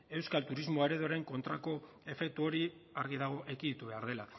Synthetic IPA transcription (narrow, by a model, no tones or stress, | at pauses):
e̞wskalt̪uɾizmo̞eɾe̞ðoɾe̞ŋko̞nt̪ɾako̞ | e̞fe̞k̚t̪uo̞ɾiaɾɣiðaɣ̞o̞ʔeɣinðit̪uβe̞aɾðe̞la